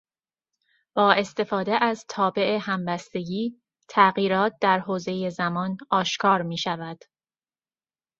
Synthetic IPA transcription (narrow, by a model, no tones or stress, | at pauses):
b̥ɒːe̞st̪e̞fɒːd̪eʔæzt̪ʰɒːbe̞ʔehæmbæst̪e̞ɟiː | t̪ʰæɣiːɾɒːt̪̚d̪æɾɦoːze̞je̞zæmɒːnɒːʃkʰɒːɾmiːʃævæd̪̥